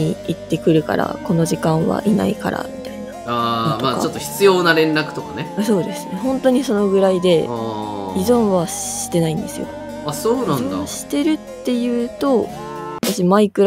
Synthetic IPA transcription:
iit̪ːe̞kɯ̟ɾɯ̟ka̰ɾa̰ko̞no̞ʑikãɰ̃βa̰ʔina̰ika̰ɾʔa̰mʲit̪ainaaːooma̰ːt͡ɕo̞t̪ːo̞çi̥t͡sɨjo̞ːnaɾẽ̞nɾakɯ̟̥t̪o̞kaneso̞ːd̪e̞sɨ̥nehõ̞nt̪o̞ɲ̟iso̞no̞ɡɯ̟ɾaid̪e̞ | izõ̞ɰ̃βai̥t̪e̞naĩnd̪esɨ̰jo̞̰ | asoːnãnod̪a̰aɕi̥t̪e̞ɾɯ̟t̪ːe̞jɯ̟ːt̪o̞ | βat̪aɕimaikɯ̟ɾ

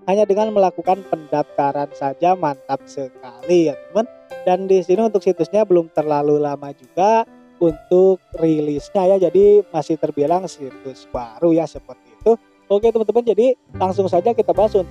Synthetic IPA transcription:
haɲadəŋanməlakukanpəndap̚t̪aɾansad͡ʒamant̪ap̚səkalijat̪əmandandisiniunt̪ʊk̚sit̪ʊsɲabəlʊmt̪ərlalulamad͡ʒuɡa | unt̪ʊk̚rilɪsɲajad͡ʒadimasɪht̪ərbilaŋsit̪ʊsbaɾujasəpərt̪iːt̪u | oket̪əmənt̪əmand͡ʒadi | laŋs̬ʊŋsad͡ʒakit̪abaɦasunt̪̚

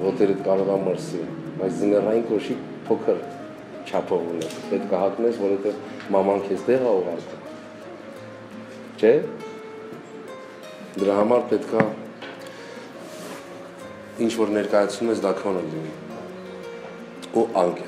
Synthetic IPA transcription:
vɔt̪ɛɾət̪kɑɾɛvɑməɾsibɑjt͡sd͡zənɡərɑjinkɔʃi | pʰɔkʰəɾ | t͡ʃʰɑpʰɔvunɛspɛt̪kʰɑɦɑk̪nɛsvɔɾɛt̪ɛvmɑmɑŋkʰɛt͡st̪ɛʁɑuʁɑɾkum | t͡ʃʰɛ | d̪əɾɑɦɑmɑɾpɛt̪kʰɑ | int͡ʃʰvɔɾnɛɾkɑjɑt͡sʰnumɛsd̪ɑkʰɔnəlini | uʔɑŋkʰ

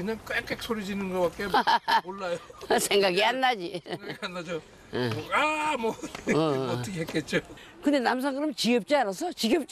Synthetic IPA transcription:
kɯɲaŋk͈ek͈ek̚sʰoɾid͡ʑinɯnɡʌbak͈eoɭːajosʰe̞ŋɡaɡianːad͡ʑiŋɡanːad͡ʑo | oamwʌʌʌʌkʰeɦet̚k͈et̚t͡ɕ͈o | kɯnd̪enamsʰaŋɡɯɾɯmt͡ɕiɡʌp̚t͡ɕ͈aaɾasʰʌt͡ɕiɡʌp̚t͡ɕ

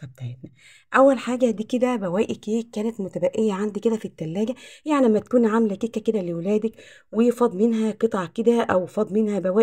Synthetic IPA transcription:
t̪ɑb̚t̪aʕet̪næ | ʔæwːælħaːɡæd̪iːked̪æbæwæːʔekeːkːæːnæt̪mot̪æbæʔːejːæʕand̪iked̪æfit̪ːælːæːɡæjaʕnilæmːæt̪æ̥kuːnʕamlækekːæked̪ælewelæːd̪æk | wejefɑd̪ˤmenɦæqet̪ˤʕɑked̪æʔæwfɑd̪ˤmenhæbæwæː

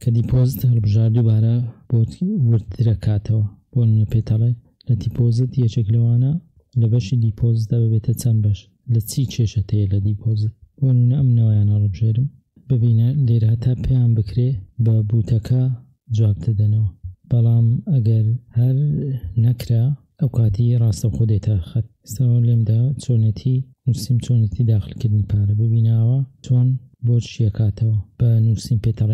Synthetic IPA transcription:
kʰɐd̪ipʰoːzɨt̪iɦhɑlˠbɨʒaːɾd̪ubaːɾɐb̥ot̪wɪɾ̚d̪ɨɾɐkʰaːt̪ʰɐwɐb̥onuːnɐtpet̪ʰɐlˠen | lɐd̪ipʰozɨt̪jɛt͡ʃeklɐwaːnɐ | lɐbɐʃid̪ipʰozɨt̪̚d̪aːbɨbet̪ʰɐt͡sʰɐnbɐʃ | lɐt͡sʰit͡ʃʰeʃɐt̪ʰejɛlɐd̪ipʰoːzɨt̪̚bonuːnɐɐmnawajaːnɐhlɨbɨʒeɾɨm | bɨbiːnɐleɾhɐt̪ʰaːpʰejaːnbɨkɾebɐbuːt̪ʰɐkʰɐ | d͡zwaːp̚d̪ɐd̪ɐnɐwɐb̥ɑlˠɑːmɐɡɐɾhɐɾnɐkɾaː | ɐwkʰaːt̪ʰirɑːst̪ɐwxod̪et̪ʰɐxɐt̪̚ | st̪ɐwɐlemd̪at͡sʰoːnet̪ʰi | nusimt͡sʰonet̪ʰid̪aːxɨlkɨɾd̪nipʰaːɾɐbɨbiːnaːwɐt͡ʃʰwonboɾʃiɐkʰaːt̪ʰɐwɐb̥ɐnusimpet̪ʰɐrˤe

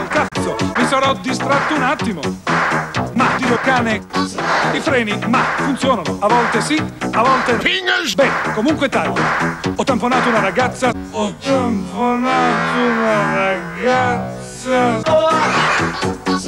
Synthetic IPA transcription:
lkat̪sːomisaɾɔd̪ist̪ɾat̪ːounat̪ːimo | mad̪ilokaːne | ifɾɛːnimafunt̪sjɔːnanoavɔlt̪esiavɔlt̪eiɲːabɛkomuŋkwet̪aʎːa̰ɔt̪ːamponaːt̪ounaɾaɡat̪sːaɔamponat̪onaɾaɡat̪s | a

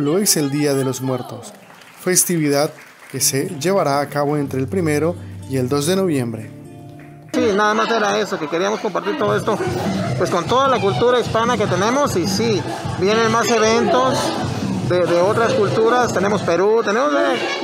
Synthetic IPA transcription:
loe̞se̞ld̪iaðe̞lo̞zmwe̞ɾt̪o̞s | fe̞st̪iβiðað | ke̞se̞ʝe̞βaɾaːkaβo̞e̞nt̪ɾeːlpɾime̞ɾo̞ie̞ld̪o̞zðe̞no̞βjẽ̞mbɾe̞ | sinaðamase̞ɾae̞so̞ke̞keɾiamo̞sko̞mpaɾt̪iɾt̪o̞ðoe̞st̪o̞pwe̞sko̞nt̪o̞ðalakult̪uɾaispanake̞t̪e̞nẽ̞mo̞sisi | bje̞ne̞nmase̞βe̞nt̪o̞s | d̪eðeo̞t̪ɾaskult̪uɾast̪e̞ne̞mospe̞ɾut̪e̞ne̞mose

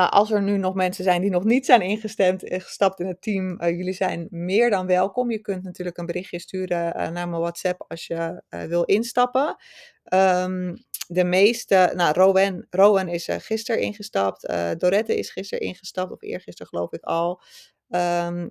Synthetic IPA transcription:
aʔɑ̰lˠsɛɹnynɔχmɛnsənzɛjndinɔχnitsɛjnɪnχəstɛmtχə̥stɑp̚tɪnɦətimjɵlizɛjnmɪːɹdɑnʋɛlˠkɔmjəkɵntnatyːɹləkənbərɪχjəstyːɾənaːɹməʋɑtsɛpɑsjəʋɪlˠɪnstɑpə | əmdəmejstənaroʋɛnrowənɪsχɪstəɹɪ̰nχəstɑp̚tə̰doɾɛtəɪ̰sχɪstə̰ɹʔɪ̰nχəstɑp̚tɔfɪ̰ːɹχɪstəɹχəlowfɪkɑlˠ | əm

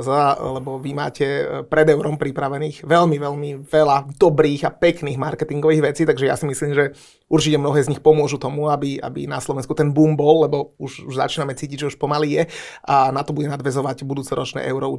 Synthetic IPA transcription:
zalɛbɔʋima̰ːcɛpɾɛd̪ɛʊɾɔmpɾipɾaʋɛniːɣʋɛʎmiʋɛʎmiʋɛlad̪ɔbɾiːɣapɛkniːɣmaɾkɛt̪iŋɡɔʋiːɣʋɛt͡siːt̪aɡʒɛja̰simisliːmʒɛ | uɾt͡ʃicɛmnɔɦɛːzɲixpɔmʊɔʒut̪ɔmuabia̰bḭnaslɔʋɛnskut̪ɛnbuːmbɔlːɛbɔuʒuʒza̰t͡ʃiːnamɛt͡siːciɟʒɛuʃpɔmaliːjɛ | ʔanat̪ɔbuɟɛnad̪ʋɛzɔʋaɟbud̪uːt͡sɛɾɔt͡ʃnɛ̰ːʔɛʊɾɔu

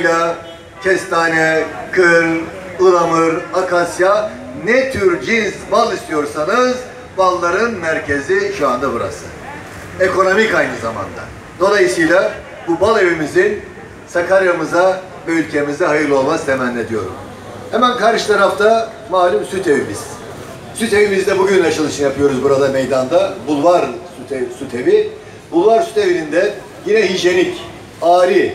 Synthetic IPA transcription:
lʲa | cʲʰɛst̪ʰaːnɛkʰɯɾ | ulˠamɯɾakʰasja | nɛt̪ʰyɾd͡ʒinzmalˠist̪ʰijo̞ɾsanɯz | balˠːaɾɯnmæɾcʰe̞ziʃuand̪abuɾa̰sɯ̥̰ | eko̞no̞micajnɯzama̰nd̪a̰ | d̪̥o̞lˠajɯsɯjlˠa | bubalˠevimizin | sakʰaɾjamɯza | øylʲcʰe̞mizd̪ɛɦajɯɾlˠo̞lˠmaz̥t̪ʰemænːʲed̪ijo̞ɾṵm | hɛmænkʰaɾʃɯ̥t̪ʰaɾaft̪ʰa | maːlʲymsyt̪ʰe̞vimiz̥ | syt̪e̞vimizd̪ɛbuɟynlɛt͡ʃʰalˠɯʃɯnjapʰɯjo̞ɾuzbuɾad̪ame̞jd̪and̪abulˠvaɾsut̪esyt̪ʰe̞vi | bulˠvaɾsy̥t̪ʰe̞vinind̪ɛ | jinɛɦyʒje̞nic | aːɾi

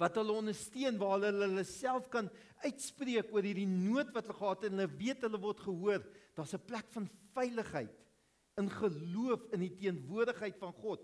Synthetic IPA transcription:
vɐtɦələɔndərstiənvɑːlələləsælˠfkɐn | œɥtspriəkuəɾɦiːrdinuətvɐtɦələχəɦɑːtɛnɦələviətɦələvɔrtχəɦuərd̥ɑːsəplækfɐnfɛjləχɦə̰jt | ənχəluəfənditiənvuərdəχɦəjtfɐnχɔt

